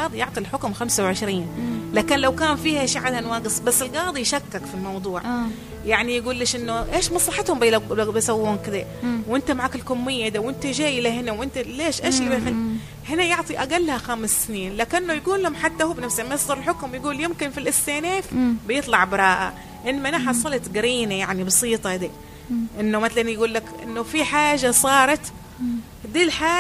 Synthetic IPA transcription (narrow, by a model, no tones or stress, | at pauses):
ɑːd̪ˤijʊʕt̪ˤilħʊkmxamsawʕɪʃɾiːnlaːkɪnlawkaːnfiːhaʔʃiʕad̪hanwaːɡɪsˤbasːɪlɡɑːd̪ˤijʃakːakfilmɑwd̪ˤuːʕ | jaʕnijɡuːlːeːʃʔɪnːʊʔeːʃmɑsˤlɑħɪt̪hʊmblbajsˤɑwːuːmkɪd̪a | wʔɪnt̪amaʕaːkɪlkʊmːɪjːad̪awʔɪnt̪ad͡ʒeːjlahɪnawʔɪnt̪aleːʃʔeːʃlibx | hɪnajʊʕt̪ˤiʔaɡalːhaxaːmɪsːɪniːnlaːkɪnːʊjɡuːlːhʊmħat̪ːahuːbnafshmajɪsˤd̪ɑɾɪlħʊkmjɡuːljɪmkɪnfilʔɪst̪eːneːfbɪjɨt̪ˤlɑʕbɾˤɑːʔa̰ | ʔɪnːmaʔɪnaħɑsˤːɑlɑt̪ɡɪɾiːnajaʕnibɑsiːt̪ˤɑd̪iː | ʔɪnːʊmɪt̪lanjɡuːlːakʔɪ̰nːʊfiħaːʒːasˤɑːɾˤɑt̪ | d̪iːlħaː